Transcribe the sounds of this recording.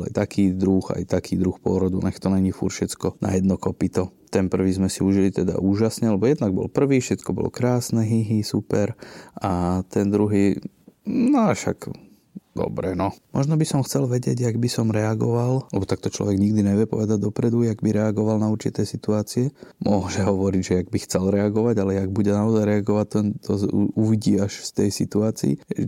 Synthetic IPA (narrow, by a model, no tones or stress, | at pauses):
la̰jt̪akʰiːd̪ɾuxa̰jt̪akʰiːd̪ɾuxpʊɔɾɔd̪unɛxt̪ɔnɛɲifuɾfʃɛt͡skɔna̰jɛd̪nɔkɔpit̪ɔt̪ɛnpr̩ʋiːzmɛsiuʒilit̪ɛd̪a̰ʔuːʒasɲɛalɛbɔjɛd̪naɡ̚bɔ̰lpr̩ʋiːfʃɛt͡skɔbɔ̰lɔ̰kɾaːsnɛɦiɦisupɛɾʔat̪ɛnd̪ɾuɦiː | naʃa̰ɡ | d̪̥ɔ̰bɾɛnɔmʔɔʒnɔbisɔmxt͡sɛlʋɛɟɪɛɟjaɡbisɔmɾɛaɡɔʋallɛbɔt̪ak̚t̪ɔt͡ʃlɔ̰ʋɛɡɲiɡd̪iɲɛʋɪɛpɔ̰ʋɛd̪aɟ̚d̪ɔpɾɛd̪ujaɡbiɾɛaɡɔʋalnauɾt͡ʃit̪ɛːsit̪uaːt͡siɛmʊɔʒɛɦɔʋɔɾiɟʒɛjaɡ̚bixt͡sɛlɾɛaɡɔʋaɟalɛjaɡ̚buɟɛnaɔzajɾɛaɡɔʋact̪ɛnt̪ʰɔuʋiɟiːaʃft̪ɛjsit̪uaːt͡sḭḭ